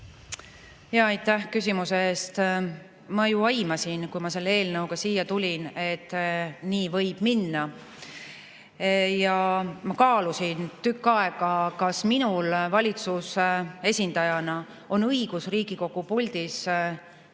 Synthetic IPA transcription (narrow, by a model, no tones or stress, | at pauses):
jɑːɑjt̪ːˑæhkysʲimuseeːst̪ | mɑjuɑjmɑsinkujmɑse̞lːee̞ːlnɤwɡ̥ɑsijːɑt̪ulʲine̞t̪ːˑniːvɤ̞jb̥minːɑ | jɑmɑkɑːlusint̪ykːɑeɡ̥ɑkɑsminulvɑlʲit̪suse̞sʲind̪ɑjɑnɑ | o̞nɤiɡ̥usriːɡ̥iko̞ɡ̥upulʲd̪̥is